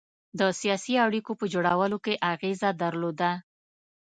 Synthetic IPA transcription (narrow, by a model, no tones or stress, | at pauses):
d̪əsijɑsiaɽikopəd͡ʒoɽawəlokeʔaɣezad̪aɾlod̪a